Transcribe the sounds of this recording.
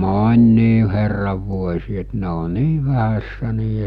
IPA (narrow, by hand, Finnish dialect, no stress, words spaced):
moːn̆ʲniː herːɑʋ ʋuosʲiː et ne o niː ʋæhæsːæ niː